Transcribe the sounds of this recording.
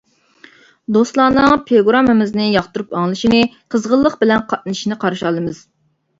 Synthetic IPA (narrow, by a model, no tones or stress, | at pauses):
d̪ost̪lˠɑːnɨŋpʰeɡuɾɑmɨmɪznɪjɑχt̪uɾupɑŋlˠɨʃinɨqʰəzʁəlˠːəqbɪlɛnqʰɑt̪̚nɨʃinɨqʰɑɾʃɑlˠɨmɨz̥